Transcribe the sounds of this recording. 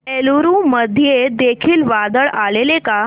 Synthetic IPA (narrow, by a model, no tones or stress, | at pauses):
eluɾũməd̪ʱijed̪ekʰiːlʋad̪əɭaleleka